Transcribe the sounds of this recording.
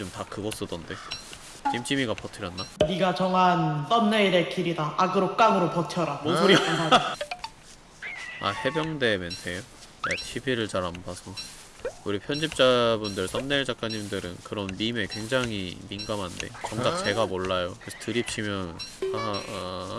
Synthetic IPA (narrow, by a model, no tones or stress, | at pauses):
t͡ɕomtakɯɡʌs͈ɯdʌnde̞ | t͡ɕimt͡ɕ͈ʰimiɡapʌtʰɯɾjʌnːaniɡat͡ɕʌŋans͈ʌnnːeiɾekiɾidaaɡɯɾok͈aŋɯɾopʌtʰjʌɾaouɾ | a̰he̞bjʌŋde̞mentʰe̞jo | ja̰t͡ɕʰibiɾɯɭt͡ɕaɾambasʰʌ | uɾipʰjʌnd͡ʑip̚t͡ɕ͈abundɯɭs͈ʌnːeɭd͡ʑak̚k͈aɲimdɯɾɯ̰nkɯɾʌnmime̞kwe̞ŋd͡ʑaŋḭminɡamɦande̞̰kʌŋd͡ʑakt͡ɕe̞ɡamoɭːajokɯsʰʌtɯɾip̚t͡ɕʰimjʌnna